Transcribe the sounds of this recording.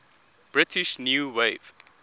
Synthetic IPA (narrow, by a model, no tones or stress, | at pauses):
b̥ɹɪtʰiʃnjuweɪv̥